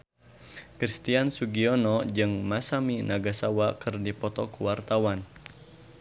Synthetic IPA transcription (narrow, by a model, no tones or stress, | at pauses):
kɾist̪iansuɡiɔnɔd͡ʒɨŋmasaminaɡasawakɨrdipɔt̪ɔkuwart̪awan